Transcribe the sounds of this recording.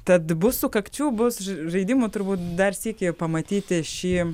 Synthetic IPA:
t̪ɐt̪bʊsʊkɐkt͡ʃʲuːbʊsʒɐɪd̪ʲɪmʊt̪ʊrbuːt̪d̪ɐrsʲiɛkʲepɐmɐt̪ʲiːt̪ʲɪʃʲiː

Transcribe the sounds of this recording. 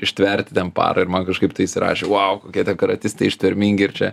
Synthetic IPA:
ɪʃʲt̪ʲʋʲɛɾʲt̪ʲɪt̪ʲɛnpɑ̰ːɾɐɪɾmɐnkɐʃkɐɪp̚t̪ɐɪɪʃʲsʲɪɾɑ̰ːʃʲeːwɑʊkoːkʲiɛt̪ʲɛnkɐɾɐt̪ʲɪst̪ɐɪɪʃʲt̪ʲɛɾʲmʲiŋʲɡʲɪɪɾt͡ʃʲɛ

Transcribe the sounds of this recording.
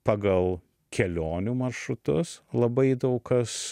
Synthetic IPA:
pɑːɡɐlˠ | kʲɛlʲoːnʲuːmɐɾʃɾʊt̪ʊslˠɐbɐɪd̪ɐʊkkɐs

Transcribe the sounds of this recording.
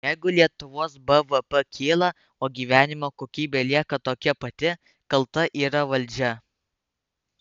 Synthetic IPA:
jɛɪɡʊlʲiɛt̪ʊʋoːsbɛʋəpəkʲʰiːlˠɐ | oːɡʲiːʋʲæːnʲɪmoːkoːkʲiːbʲeːlʲiɛkɐt̪oːkʲɛpɐt̪ʲɪ | kɐlˠt̪ɐʔiːɾɐʋɐlʲˑd͡ʒʲɛ

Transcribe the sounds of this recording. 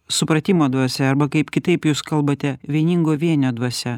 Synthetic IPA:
sʊpɾɐt̪ʲɪmoːd̪ʋɐsʲɛɐɾbɐkɐɪpkʲɪt̪ɐɪpjuːskɐlˠbɐt̪ʲɛʋʲiɛnʲɪŋɡoːʋʲiɛnʲoːd̪ʋɐsʲɛ

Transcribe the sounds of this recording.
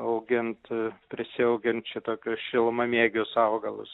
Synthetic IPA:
ɐʊɡʲɪnt̪pʲɾʲɪsʲɪɐʊɡʲɪnt̪t͡ʃʲɛt̪oːkʲʊsʃʲɪlˠmɐmʲiɛɡʲʊsɐʊɡɐlˠʊ̰s

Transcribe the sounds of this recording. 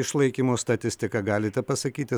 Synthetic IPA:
ɪʃlˠɐɪkʲiːmoːst̪ɐt̪ʲɪsʲt̪ʲɪkɐɡɑːlʲɪt̪ʲɛpɐsɐkʲiːt̪ʲɪ

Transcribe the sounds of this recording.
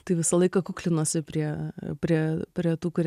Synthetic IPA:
t̪ɐɪʋʲɪsɐlˠɐɪkɐkuːklʲɪnoːsʲɪpʲɾʲiɛpʲɾʲiɛpʲɾʲiɛt̪uːkʊɾʲ

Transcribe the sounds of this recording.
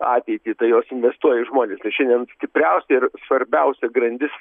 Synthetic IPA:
ɑːt̪ʲɛɪt̪ʲiːt̪ɐɪjoːsɪnʲʋʲɛst̪uɔjɛɪʒmoːnʲeːst̪ɐɪʃʲɛnd̪ʲiɛnsʲt̪ʲɪpʲrʲɛʊsʲɛɪrsʋɐɾʲbʲɛʊsʲɛɡɾɐnʲd̪ʲɪs

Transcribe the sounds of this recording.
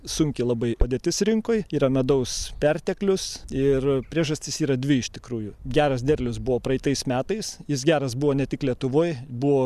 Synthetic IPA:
sʊŋʲkʲɪlˠɐbɐɪoːd̪ʲeɛt̪ʲɪsɾʲɪŋkoːjiːɾɐmʲɛd̪ɐʊspʲɛrʲt̪ʲɛklʲʊsɪrpʲɾʲiɛʒɐsʲt̪ʲɪsiːɾɐd̪ʲʋʲɪɪʃt̪ʲɪ̥kɾuːjʊɡʲæːɾɐs̬d̪ʲɛrʲlʲʊsbʊʋoːpɾɐɪt̪ɐɪsmʲæːt̪ɐɪsjɪs̬ɡʲæːɾɐsbʊʋoːnʲɛt̪ʲɪklʲiɛt̪ʊʋoːjbʊʋoː

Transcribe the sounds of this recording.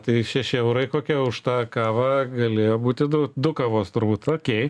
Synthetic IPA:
t̪ɐɪʃʲɛʃʲɪɛʊɾɐɪkoːkʲɛʊʃt̪ɑːkɑːʋɑːɡɐlʲeːjoːbuːt̪ʲɪd̪ʊd̪ʊkɑːʋoːst̪ʊrbuːt̪oːkʲeɪ

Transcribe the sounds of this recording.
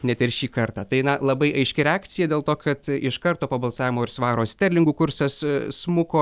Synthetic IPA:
nʲɛt̪ʲɪrʃʲiːkɐrt̪ɑːt̪ɐɪnɐlˠɐbɐɪʔɐɪʃʲkʲɪɾʲɛaːkt̪t͡ssʲɪjɛd̪ʲeːlˠt̪oːkʰɐt̪ɪʃkɐɾt̪oːpoːbɐlˠsɑːʋʲɪmoːɪɾsʋɑːɾoːsʲt̪ʲɛɾʲlʲɪŋɡuːkʊɾsɐssmʊkoː

